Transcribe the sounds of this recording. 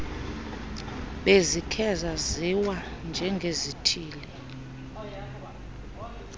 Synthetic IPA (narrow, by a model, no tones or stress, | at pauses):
ɓezikʰɛzaziwand͡ʒʱɛŋɡʱezitʰiːli